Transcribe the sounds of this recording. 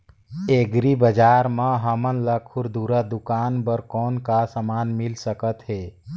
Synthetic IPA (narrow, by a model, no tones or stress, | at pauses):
eɡɾibəd͡ʒaːɾmə̃ɦəmənləkʰʊɾd̪uɾad̪ʊkaːnbəɾkɔːnkasəmaːnmɪlsəkət̪ɦeː